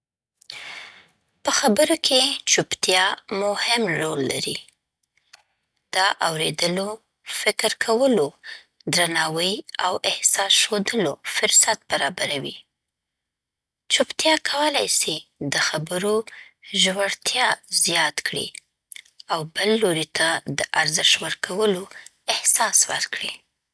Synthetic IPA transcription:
pəxabəɾokʰet͡ʃupt̪jɑmʊhɪmɾolːa̰ɾḭ | d̪̥ɑʔawɾed̪əlo | fɪkɾkʰawəlo | d̪ɾanɑwəjawɪhsɑsʃod̪əlofʊɾsat̪̚baɾɑbaɾawḭ | t͡ʃopt̪jɑkʰawəlajsed̪əxabəɾoʒwaɽt̪ʰjɑzjɑt̪kɽḭ | awbəlːoɾit̪ʰad̪əʔaɾzɪʃwəɾkʰawəlo | ɪhsɑswa̰ɾkɽi

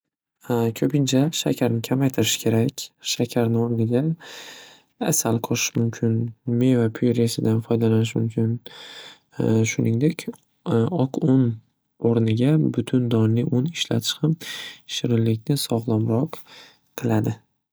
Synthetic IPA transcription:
kʲʰɵpɪnt͡ʃʰaʃa̰kʲʰaɾnɪkʲʰamajt̪ʰɪɾɪʃɪ̥kʲʰe̞ɾakʲʃakʲʰaɾnɪoɾnɪɡʲa | a̰salqʰɒʃɪ̥ʃmʊmkʲʰɪnme̞vapʰʊjɾesɪd̪anfɒjd̪alanɪʃ̬mʊ̰mkʲʰɪn | ʃʊnɪŋd̪e̞kʲʰ | ɒqʰʊn | oɾnɪɡʲabʊt̪ʰʊnd̪ɒnlɪʔʊnɪʃla̰t̪ʰɪ̥ʃhamʃɪɾɪlːɪkʲnɪsɒʁlˠamɾɒq | qʰːɨlˠad̪ɪ

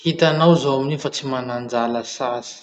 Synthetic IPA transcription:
hit̪anawzoaminifat͡simanand͡zaləsasi̥

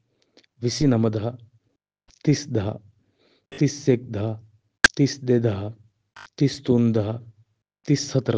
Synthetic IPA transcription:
ʋisinɐmɐd̪ɐɦɐ | t̪isd̪ɐɦɐ̰ | t̪isːek̚d̪ʱɐɦɐ | t̪isd̪ed̪ɐɦɐ | t̪ist̪und̪ɐɦɐ | t̪isːɐt̪ɾ

